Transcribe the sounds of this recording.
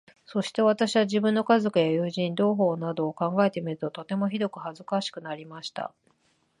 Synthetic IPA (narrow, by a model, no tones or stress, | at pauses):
so̞ɕi̥t̪e̞β̞at̪aɕiβaʑibɯ̟̃nːo̞kazo̞kɯ̟jajɯːʑĩnd̪o̞ːɦo̞ːnad̪o̞ːkãŋɡae̞t̪e̞mʲiɾɯ̟t̪o̞t̪o̞t̪e̞mo̞çid̪o̞kɯ̟hazɨkaɕi̥kɯ̟naɾʲimaɕi̥t̪a̰